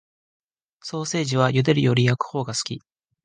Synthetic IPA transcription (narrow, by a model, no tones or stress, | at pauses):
so̞ːse̞ːʑiβ̞ajɯd̪e̞ɾɯ̟jo̞ɾʲijakɯ̟̥ho̞ːɡasɨ̥kʲi